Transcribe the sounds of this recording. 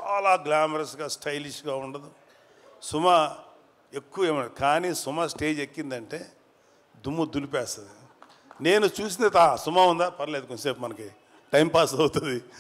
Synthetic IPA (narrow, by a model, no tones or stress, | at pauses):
t͡ʃaːlaːɡlaːmɐɾɐsɡaːsʈʰɐjliʂɡaːuɳɖɐd̪i | sumɐ | e̞kːuʋɐeːmɐɳd̪ikaːniːsumɐsʈe̞ːd͡ʒekːind̪ɐɳʈe̞ː | d̪umːud̪ulipɛːst̪ɐd̪i | ne̞ːnut͡ʃuːsind̪et̪asumaund̪aːpɐɾɐleːd̪ukonseːpmɐnɐki | ʈɐjmpaːsɐwut̪und̪i